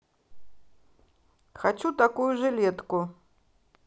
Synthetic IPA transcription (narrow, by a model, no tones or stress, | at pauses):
xat͡ʃut̪akujuʐɨlʲɛt̪ku